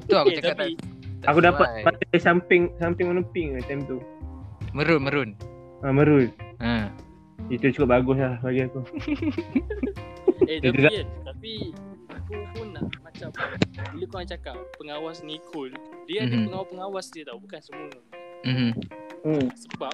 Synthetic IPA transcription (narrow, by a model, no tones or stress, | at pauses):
t̪akuat̪apiakudaat̪̚paasampɪŋsampɪŋmənəpɪŋət̪amt̪u | məɾʊnməɾʊn | əməɾʊt̪̚ə | it̪ut͡ʃukʊp̚baɡʊs̬lahbaɡiaku | tit̪uɡat̪apiakupunlahmat͡ʃamilikuat͡ʃakapːəŋawasnikʰʊldiadpəŋawapːəŋawasdit̪awbukansəkunəm̩m̩ | səbap̚